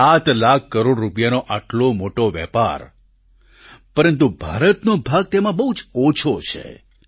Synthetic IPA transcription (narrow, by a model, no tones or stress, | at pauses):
at̪lakʰːəɾoɽɾːupjanoʔaʈlomoʈoʋɛ̰pa̰ɾ | pəɾənt̪̬ubʱa̰ɾət̪nobʱaɡ̚t̪emãbəɦud͡ʒot͡ʃʰot͡ʃʰḛ